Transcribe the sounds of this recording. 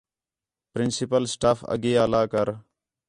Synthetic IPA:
pɾɪnsɪpəlsʈaːfə̰ɡeːaːlaːkəɾ

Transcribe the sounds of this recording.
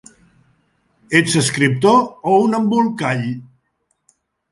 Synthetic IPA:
et͡səskɾip̚t̪oounəmbulˠkaʎ

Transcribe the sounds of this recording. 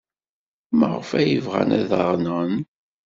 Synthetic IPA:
mə̰ʁəfæjəvʁæ̰næðəʁˤnən

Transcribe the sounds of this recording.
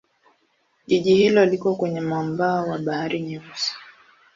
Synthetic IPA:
ʄiʄihilɔlikwakwɛɲɛmambaːwaɓahaɾiɲɛsi̥

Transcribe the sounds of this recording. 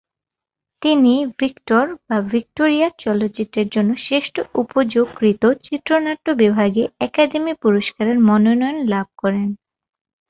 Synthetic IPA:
t̪inivikʈoɾbavʱik̚ʈoɾijat͡ɕɔlotːt͡ɕiʈːeɾd͡ʑonːoʃeʃʈoupod͡ʑoɡɾit̪ot͡ɕit̪ːɾonaʈːobibʱaɡeɛkad̪emipuɾoʃkaɾeɾmɔnonɔjonlab̚ʱkɔɾen

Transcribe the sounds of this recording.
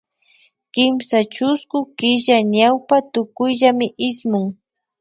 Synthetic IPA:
kɪmsat͡ʃʊskʊkɪʒaɲawpat̪ʊkʊjʎamɪʔɪsmʊŋ

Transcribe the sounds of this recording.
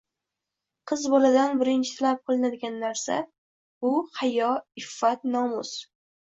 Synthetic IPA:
qʰɨzbɒlad̪anbɪɾɪnt͡ʃʰɪ̥t̪ʰɪlap̚qʰolˠɪnad̪ɪɡʲanːaɾsa̰ | bʊhajɒɪfːat̪nɒmʊs

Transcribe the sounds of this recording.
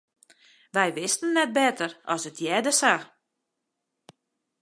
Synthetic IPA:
ʋɛjʋɪstənːɛt̚bɛtərɔsətʰjɛdəsa

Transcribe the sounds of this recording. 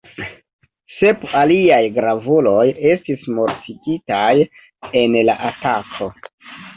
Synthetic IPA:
se̞paliajɡɾavulo̞je̞stismo̞ɾtiɡitaj | e̞nla̰ʔatakʰo̞

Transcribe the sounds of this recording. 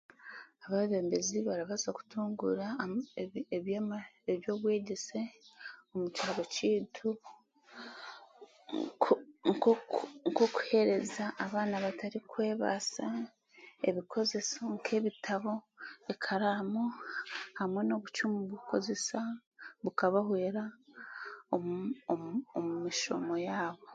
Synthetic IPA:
aβaβeːmbe̞ziβaɾaβazaku̥tuːŋɡuɾa | eβjamaeβjo̞ːβwe̞ːɟe̞se̞omut͡ʃaːβociːtʰu | ŋ | ŋko̞ku̥he̞ɾe̞zaʔːβaːnaβataɾikwe̞ːβa̰sa | e̞̰βikʰo̞ze̞soŋkʰe̞ːβitʰaβo̞ekʰaɾaːmohamwe̞no̞βut͡ʃumuβuko̞ze̞saβukaβahweːɾa | ooomumiʃo̞̰mo̞jaːβo

